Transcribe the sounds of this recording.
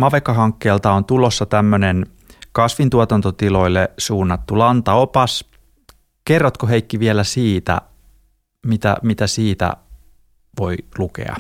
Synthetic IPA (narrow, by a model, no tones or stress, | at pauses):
mɑʋekːɑɦɑŋkːeːlt̪ɑont̪ulosːɑt̪æmːønen | kɑsʋint̪uot̪ɑnt̪ot̪ilo̞ilːesuːnːɑt̪ːulɑnt̪ɑopɑs | kerːot̪koɦeikːiʋielæsiːt̪æ̰ | mit̪æ̰mit̪æsiːt̪æ̰ | ʋo̞ilukḛɑ̰